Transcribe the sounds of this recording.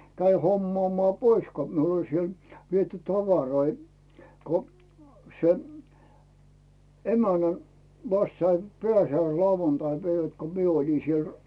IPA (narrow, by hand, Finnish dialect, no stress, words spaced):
kæi homːŏɑˑmŏɑˑ pois ko miul olʲ siel ʋiety tɑʋɑroi ko se emænæn̞ ʋɑst sɑim pĕæˑsiæisiɑuʋɑntɑipæiʋæt ko mie oli siel